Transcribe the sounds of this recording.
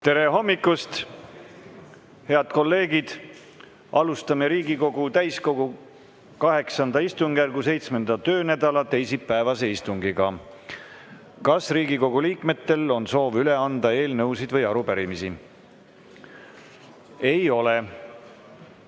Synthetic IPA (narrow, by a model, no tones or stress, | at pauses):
t̪e̞ɾe̞ɦo̞mːikːˑust̪ | he̞ɑd̪̥ko̞lːe̞ːɡid̪̥ | ʔɑlust̪ɑmeɾiːɡiko̞ɡ̥ut̪æjsko̞ɡ̥u | kɑɦe̞ksɑnd̪̥ɑist̪uŋɡ̥jærɡuse̞jt̪sme̞nd̪ɑt̪ø̞ːnæd̪̥ɑlɑt̪e̞jsipːæevɑse̞ist̪uŋɡiɡɑ | kɑsriːɡiko̞ɡ̥uliːkme̞t̪ːe̞lo̞nso̞ːvyle̞ɑnd̪̥ɑe̞ːlnɤusid̪̥vɤjɑɾupæɾimisi | e̞jo̞le